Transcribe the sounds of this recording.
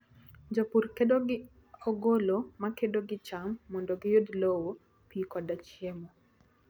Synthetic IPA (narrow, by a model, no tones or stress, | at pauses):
ɲd͡ʒapurkedoɡɪ | ɔɡolɔmakedoɡɪt͡ʃamːɔndɔɡɪjodlowo | pikɔdat͡ʃjemo